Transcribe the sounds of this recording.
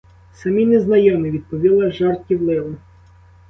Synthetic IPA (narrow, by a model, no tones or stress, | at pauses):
sɐmʲinɛznɐjɔmɪʋʲid̪̚pɔʋʲilˠɐʒɑrt̪kʲiwlˠɪlˠɪ